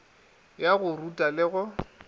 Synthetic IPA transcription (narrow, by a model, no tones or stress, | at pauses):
jaɣʊrutʼalɪɣʊ